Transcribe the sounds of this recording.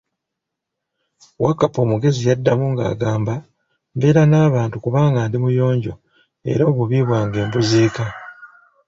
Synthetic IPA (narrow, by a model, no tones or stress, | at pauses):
wakːapo̞ːmuɡe̞zijadːamuŋɡa̰ːɡaːmba | mbe̞ːɾanaːβaːntukuβaːŋɡaːndimujo̞ːɲɟo̞ | e̞̰ɾo̞ːβuβiβwaːŋɡe̞ːmbuziːka